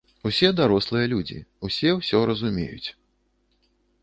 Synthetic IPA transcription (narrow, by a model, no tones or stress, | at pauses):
usʲɛd̪aɾɔslˠɨjɐlʲud͡zʲḭusʲɛwsʲɔɾɐzumʲḛjṵt͡sʲ